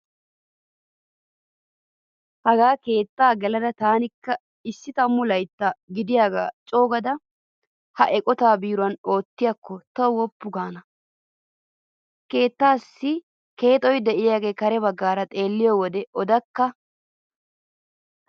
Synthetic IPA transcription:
hɐɡaːke̞ːt̪ːaːɡɛlɐd̪ɐt̪aːnɪkːɐ | ɪsːɪt̪ɐmːʊlɐjt̪ːɐɡɪd̪ɪjaːɡa̰ːt͡ʃʼo̞ːɡɐd̪ɐ | hɐʔɛkʼɔt̪aːbiːɾʊɐno̞ːt̪ːɪjɐkːɔt̪ɐwwɔpːʊɡaːnɐ | ke̞ːt̪ːaːsːɪ | ke̞ːt̪ʼɔjd̪ɛʔɪjaːɡe̞ːkɐɾɛbɐɡːaːɾɐt̪ʼe̞ːlːɪjɔwɔd̪ɛʔɔd̪ɐkːɐ

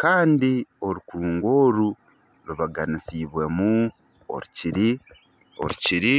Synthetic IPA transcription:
kaːndio̞ɾukuuːŋɡo̞ːɾu | ɾuβaɡanisiβwe̞mu | o̞̰ɾuciɾi | o̰ɾuciɾi

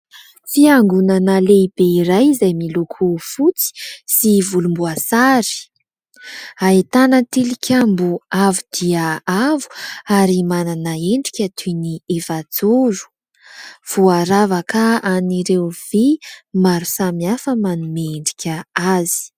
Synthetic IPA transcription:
fiaŋɡunanaleibeiɾajzajmilukʰufut͡si̥sivulumbuasaɾi̥ | aet̪anət̪ilikʲʰambuavud̪̥iaavu̥aɾimananaeɳɖ͡ʐi̥kʲət̪ʰuniefad͡zuɾu̥ | v̥uaɾavakaaniɾewvimaɾusamiafəmanumeɳɖ͡ʐi̥kʲəazi̥

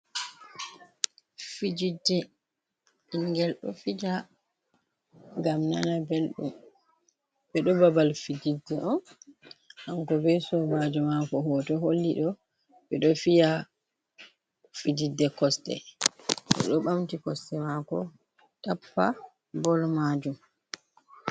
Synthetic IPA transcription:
fid͡ʒidːɛ | iŋɡɛlɗɔ̰fid͡ʒa | ɡamnanabelɗṵm | ɓɛɗɔbabalfid͡ʒidːɛʔɔn | hamkɔbɛsɔmad͡ʒumakɔɦɔtɔɦolːiɗɔ | ɓɛɗɔfija | fid͡ʒidːɛkɔstɛ̰ | kɔ̰ɗɔɓamtikɔstɛmakɔ̰ | tapːa | bɔlmad͡ʒum

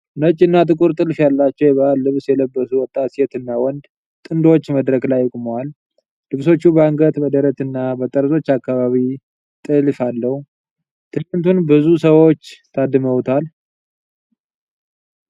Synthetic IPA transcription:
nət͡ʃʼːɪnːat̪ʼɨkʼuɾt̪ʼɨlfjalːat͡ʃːɛwjɛβəalːɨβsjɛləbːəsuwɔt̪ʼːat̪set̪ɨnːawɔnd̪ | t̪ʼɨnd̪ot͡ʃːməd̪ɾəkʼlajɪkʼməwal | lɨβso̞t͡ʃːubəaŋɡət̪bəd̪əɾət̪ɨnːabət̪ʼəɾt̪ʼo̞t͡ʃːakːaβaβi | t̪ʼɨlfalːəhu | t̪ʰɨnːɨnt̪ʰunbɨzusəwo̞t͡ʃːt̪ʰad̪ɨməwt̪ʰal

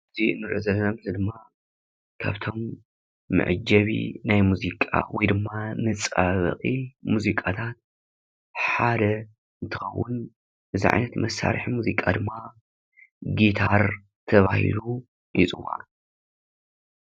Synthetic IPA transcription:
ɨzinːɨɾʔozɐlːɐnamɨzid̪ɨmːa | kʰa̰βt̪ʰo̞mː | ɨ̰ʕɨd͡ʒɐβḭnajmuzikʼa̰wɔjd̪ɨmːamɨt͡sʼaβɐ̰χʼimuzikʼat̪ʰat̪̚ | ħad̪ɐ | ɨnt̪ʰɨxɐwːʊ̰n | bɨziʕa̰jnɐt̪mɐsːa̰ɾħimuzikʼad̪ɨmːa | ɡit̪ʰaɾ | t̪ʰɐβahḭlu | jit͡sʼɨwa̰

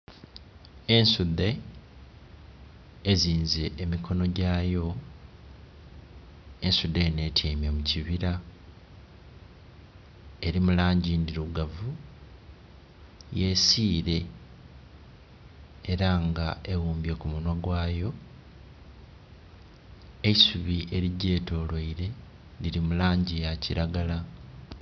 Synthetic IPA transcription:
e̞nsud̪e̞ | eziːnze̞ʔːmikʰo̞no̞ɟaːjo̞ | ensud̪ene̞ːtʰeːmjemuciβiɾa | eɾimulaːɲɟindiɾuɡavu | je̞ːsiːɾe̞ | e̞ɾaŋɡaewuːmbje̞kumunwaɡwaːjo̞ | esuβiʔe̞ɾiɟe̞ːto̞ːlwoiɾe̞ | liɾimulaːɲɟijaciɾaɡala

